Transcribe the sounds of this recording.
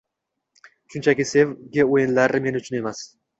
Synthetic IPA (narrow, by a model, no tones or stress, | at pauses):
ʃʊnt͡ʃʰakʲɪse̞vɡʲaojɪnlaɾme̞nɪʊt͡ʃʰʊne̞mas